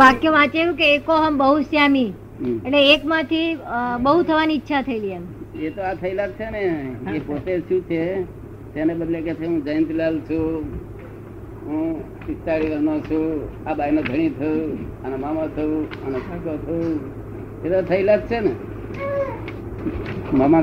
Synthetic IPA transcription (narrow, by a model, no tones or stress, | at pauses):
ʋakjoʋat͡ʃeʋũkeːkoɦəmbəɦusjami | eʈleːkmãt̪ʰibəɦut̪ʰəʋaniːtːʃʰat̪ʰəiliənet̪oat̪ʰəilaɡ̚t͡ʃʰeneepot̪eʃũt͡ʃʰe | d͡ʒenebəd̪leket͡ʃʰeɦũd͡ʒəjə̃nt̪lalt͡ʃʰũ | ɦũ | ɪst͡ʃaɭiʋənõt͡ʃʰũabʱainod̪ʱəɽ̃it̪ʰəjũənemamat̪ʰəũənesʰakot̪ʰəũ | et̪ot̪ʰəilad̚t͡ʃʰene | məma